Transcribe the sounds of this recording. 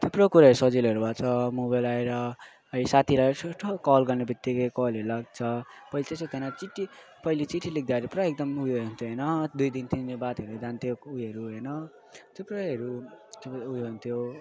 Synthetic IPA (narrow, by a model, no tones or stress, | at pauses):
t̪ʰepɾokuɾaɦʌɾusʌd͡zilʌɾubat͡sʰʌmobajlaeɾʌ | ʌisat̪ʰiɾaeɾʌsosʈokʌlɡʌrnebʌt̪ːikʌjkʌlɦʌɾulaɡ̚t͡sʰʌpʌjlit̪eset̪ʰenʌt͡siʈːi | pʌjlit͡siʈʰːilik̚d̪aɾepɾʌek̚d̪ʌmujount̪ʰoɦʌjnʌd̪ujd̪int̪innebat̪ʌɾed͡zant̪ʰjoujɦʌɾuɦʌjnʌ | t̪ʰeproɦʌɾut̪ujoɦunt̪ʰjo